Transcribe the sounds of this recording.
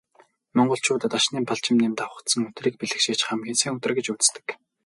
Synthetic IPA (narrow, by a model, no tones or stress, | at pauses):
mɔɴɢɞ̆ɬt͡ɕʰʊːt̪ə̆t̪aʃniːmpʰaɮt͡ɕɪ̆mnemt̪awə̆t̪sə̆ŋɵ̥t̪riːk̚piɮɘ̆xʃeːt͡ɕχamɡinsiːŋɵt̪ɘ̆rɡet͡ɕut͡s̆st̪ɘ̥̆k